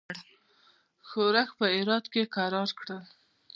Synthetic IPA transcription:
ɽ | xoɾaxpəɪɾɑd̪kekaɾɑɾkɽəl

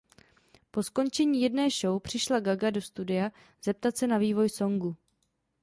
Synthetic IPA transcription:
po̞sko̞nt͡ʃɛɲiːjɛdnɛːʃo̞wpr̝̥ɪʃlaɡaɡado̞st̪udɪja | z̥ɛp̚t̪at̪sɛnaviːvo̞jso̞ŋɡu

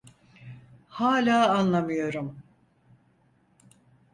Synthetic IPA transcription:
haːlʲaːanlˠamɯjo̞ɾum

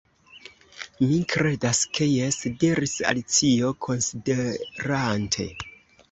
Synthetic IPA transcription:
mikɾe̞daskʰe̞jeside̞ɾisa̰lit͡sio̞kʰo̞nsideɾantʰe̞̰

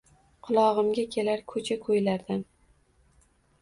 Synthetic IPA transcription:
qʰʊlˠɒʁɨmɡʲakʲʰe̞laɾkʰɵt͡ʃʰakʰɵjlaɾd̪an

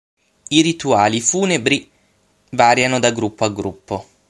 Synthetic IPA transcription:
iɾit̪uaːlifuːnebɾi | vaːɾjanod̪aɡɾupʰːoaɡɾupːo

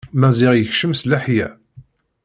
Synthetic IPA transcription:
mæzɪʁjəçʃəmslæħjæ

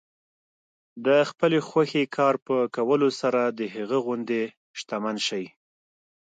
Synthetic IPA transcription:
d̪əxpəlexwaxekʰɑɾpəkawəlosaɾad̪əɦaɣəɣʊnd̪e | ʃt̪amanʃaj

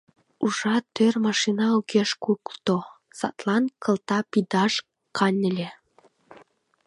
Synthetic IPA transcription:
uʒɑt̪ørmɑʃinɑukeʃkukt̪o | sɑ̰t̪lɑnkə̆lt̪ɑpid̪ɑʃ | kʰɑnʲə̆lʲe

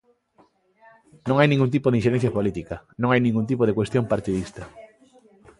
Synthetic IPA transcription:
nõŋajnĩŋɡunt̪̬ipoðɪĩnʃeɾẽn̟θjɐpolit̪ikɐnõŋajnĩŋɡunt̪̬ipoðekwest̪jõmpaɾt̪iðist̪ɐ

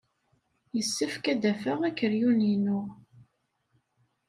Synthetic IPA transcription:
jəsːəfkæd̪æfəʁækːəɾjuninʊʁ

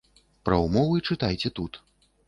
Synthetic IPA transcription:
pɾɐumɔvɨit͡ʂɨt̪ajt͡sʲɛt̪ut̪

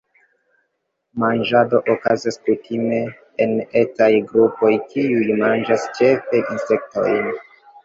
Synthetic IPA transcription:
mand͡ʒado̞ʔokazaskutime̞ | ene̞tajɡɾupo̞jkiujmand͡ʒast͡ʃe̞fe̞ʔinse̞k̚to̞̰jn

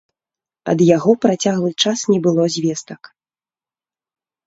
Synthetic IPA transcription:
ɐ̰d̪jaɣɔpɾat͡sʲaɣlˠɨt͡ʂasnʲɛbɨlˠɔzʲvʲɛst̪ɐk

